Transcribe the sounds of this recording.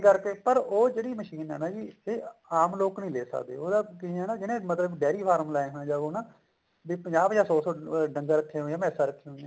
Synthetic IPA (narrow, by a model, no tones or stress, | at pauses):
kəɾkeːpəɾoːd͡ʒeːɽiːməʃiːnɛːnaːd͡ʒiːeːaːmloːknəĩːleːsə̰kd̪ḛːoːd̪aːkɪɛːnaːd͡ʒɪnẽːmət̪ləbɖɛːɾiːpʰaːɾmlaːẽːɦãːd͡ʒaːɡoːnaː | bipəɲd͡ʒaːbjãːsɔːsɔːɖəŋɡaːɾəkʰːẽːɦoːjãːmɛːsaːɾəkʰːẽːɦojã